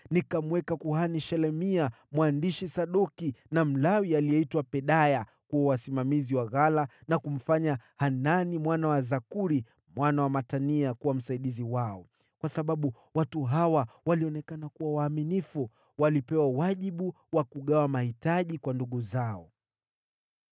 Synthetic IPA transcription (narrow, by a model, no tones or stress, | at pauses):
nikamwɛkakuɦaniʃɛlɛmia | mwandiʃisaɗɔkinam̩lawialiɛitwapɛɗaja | kuɔwasimamiziwaɣalanakum̩faɲahananimwanawazakuɾi | mwanawamataniakuwam̩saiɗiziwaɔ | kwasaɓaɓu | watuɦawawaliɔnɛkanakuwawaːminifu | walipɛwawaʄiɓu | wakuɠawamahitaʄikwanduɠuzaɔ